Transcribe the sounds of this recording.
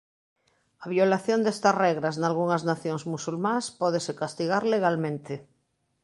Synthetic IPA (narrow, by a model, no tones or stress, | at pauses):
aβ̞jolaθjond̪est̪asreɣɾaznalɣuŋaznaθjoŋzmusulmãspɔð̞esekast̪iɣaɾleɣ̞almẽnt̪e